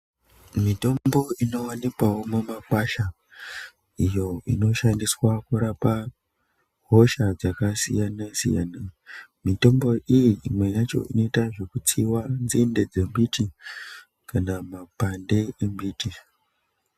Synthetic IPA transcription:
mito̞mbo̞ino̞wanikwawo̞mumakwaʃa | ijo̞ino̞ʃandiswakuɾapa | ɦo̞ʃad͡zakasḭjanasḭja̰namito̞mbo̞ʔijiːmwe̞jat͡ʃo̞̰ʔḭno̞itaʐe̞kut͡siwanzinde̞d͡ze̞mbiti | kanamapande̞embiːti

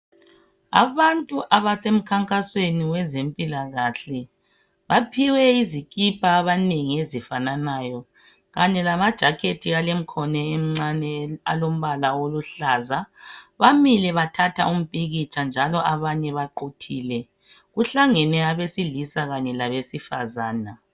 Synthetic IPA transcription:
a̰βantʼuʔaβasem̩kʰaŋkʼasweniwɛzempʼilaɣaɬɛ | βapʰiwɛizikʼipʰʼaːβaneŋiezifananaːjɔ | ɣaɲɛlamad̥ʒ̥ʱakʰetʰialem̩kʰɔnɛem̩ŋ͡ǀanɛa̰lom̩βalawoluɬazaβamilɛβatʰatʰa̰ʔum̩pʼiɣit͡ʃʼand͡ʒʱalɔʔaβaɲɛβaǃotʰiːlɛ | ɣuɬaŋɛnɛaβesilisaɣaɲɛlaβesifa̰zaːna

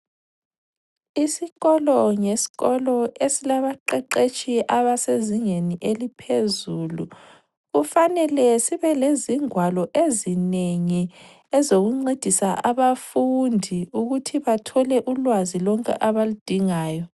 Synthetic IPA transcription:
isiɣɔlɔŋesi̥ɣɔlɔesilaβaǃɛǃet͡ʃʼʰiʔaβaseziŋeniʔelipʰezuːlu | ɣufanɛlɛsiβɛleziŋwalɔʔezineŋi | ɛzoɣuŋ͡ǀed̥ʱisaʔaβafundʱiuɣutʰiβatʰɔlɛʔulwazilɔŋkʼɛ̰ʔaβalud̥ʱiŋaːjɔ

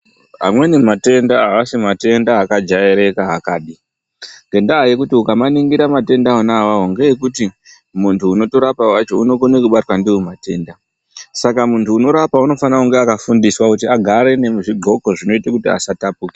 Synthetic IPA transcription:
ɦa̰mwe̞nimate̞ndaɦaasimate̞ndaakad͡ʒajeɾe̞kaɦakaːɗi | ŋɡe̞ndaɦaje̞kutiukamaniŋɡiɾamate̞ndaonawaɦoŋɡe̞je̞kuti | muntʰuːno̞to̞ɾapawat͡ʃo̞uno̞ko̞nekuɓatwandiwemate̞ːnda | sakamuntuːno̞ɾapauno̞fanauŋɡeakafundiswakutiaɡʱaɾe̞neuʐiɡʱo̞ko̞ʐino̞itakutia̰satapuːke

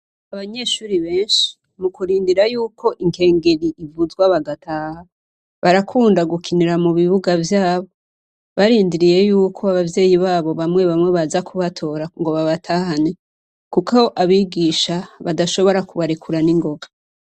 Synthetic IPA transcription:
aβaɲe̞ʃuːɾiβe̞ːnʃi̥ | mukuɾiːndiɾajuːkʰo̞ʔiŋke̞ːŋɡeɾiʔivuzɡwaβaɡatʰaːha | βaɾakʰuːndaɡukʰiniɾamuβiβuɡavjaːβo | βaɾiːndiɾije̞juːkʰo̞aβavje̞ːjiβaːβo̞βamŋe̞βamŋe̞βazakʰuβatʰo̞ːɾaŋɡo̞βaβatʰaːhane | kukaoʔaβiɡiːʃaβadaʃo̞βo̞ɾakuβaɾikuɾaniŋɡo̞ɡa

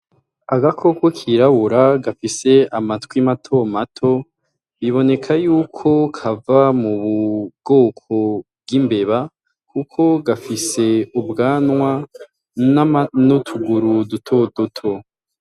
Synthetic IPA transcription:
aɡakʰo̞kwokʰiɾaβuɾaɡafise̞amatwimatʰo̞matʰo̞ | βiβo̞ne̞kʰajuːkʰo̞kʰavamuβuɡ̥o̞ːkʰo̞b̚ɡimbe̞βa | kukʰo̞ɡafise̞ubɡaːnwa | nanutʰuɡuɾudutʰodutʰo

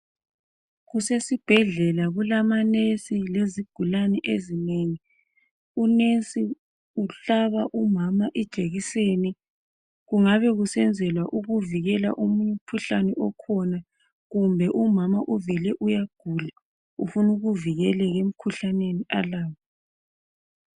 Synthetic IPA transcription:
ɣusesib̥ʱɛɮɛlaɣulamanesileziɡ̥ʱulanɛʔezineŋi | unesi | uɬaβaʔumamaʔɛd̥ʒ̥ʼʱeɣiseni | ɣuŋaβɛɣusɛnd͡zʱɛlwaʔuɣuviɣɛla̰ʔumuɲum̩kʰuɬanɛʔɔkʰɔna | ɣumbʱɛʔumamaʔuvɛlɛʔujaɡ̥ʱula | ufunuɣuviɣɛlɛɣem̩kʰuɬaneniʔalaːwɔ

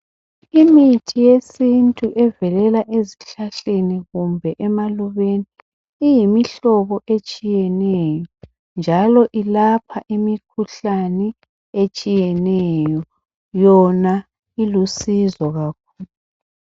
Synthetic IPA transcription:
imitʰijesintʼuʔɛvɛlɛlaʔeziɬaɬeniɣumbʱɛʔɛmaluβeniː | jimiɬɔβɔʔet͡ʃʼijɛnɛjɔ | nd͡ʒʱalɔʔilapʰaʔimikʰuɬanɛ | et͡ʃʼijɛnɛjɔ | jɔna | ilusizɔɣakʰuːlu

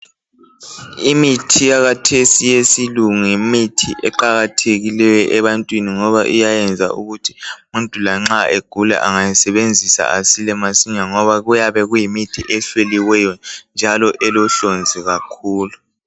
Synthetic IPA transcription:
imitʰijaɣatʰesijesiluŋimitʰiʔɛǃaɣatʰeɣilɛjɔʔɛβantʼwiniŋɔβaʔṵjajɛnd͡zʱa̰ʔṵɣutʰi̥muntʼulaŋ͡ǁaeɡ̥ʱula̰ʔaŋajasɛβend͡zʱisa̰asilɛmasiɲaŋɔβaɣujaβɛɣujimitʰiʔɛɬweliwɛjɔnd͡ʒʱalɔʔɛlɔɬond͡zʱiɣakʰuːlu

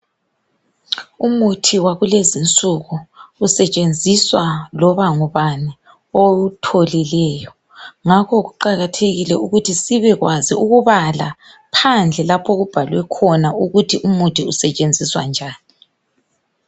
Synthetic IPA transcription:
umutʰiwaɣulezint͡sʼuɣuːsɛt͡ʃʼend͡zʱiswalɔβaŋuβani | outʰolilɛːjɔ | ŋakʰɔɣuǃaɣatʰeɣilɛuɣutʰisiβɛɣwaziuɣuβala | pʰand͡ɮʱɛlapʰoɣub̥ʱalwɛkʰɔnauɣutʰiʔumutʰiusɛt͡ʃʼend͡zʱiswa̰nd͡ʒʱaːni

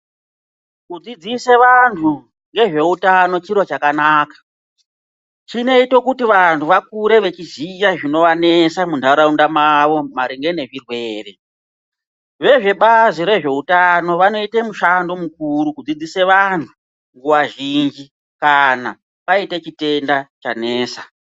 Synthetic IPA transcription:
kud͡zid͡ziseʋantʰu | ŋɡe̞ʐe̞utano̞t͡ʃiɾot͡ʃakanaːkḁ | t͡ʃine̞ito̞kutiʋantʰuʋak̚uɾe̞ʋe̞t͡ʃizijaʐino̞ʋane̞samundʱaɾaundamaʋo̞maɾiŋɡe̞ne̞ʐirwe̞ːre̞ | ʋe̞ʐe̞ɓaziɾe̞ʐe̞utano̞ʋano̞itemuʃando̞mukuɾukud͡zid͡zise̞ʋantʰu | ŋɡuʋaʒind͡ʒi | kana̰ | paite̞t͡ʃite̞ndat͡ʃa̰ne̞ːsa

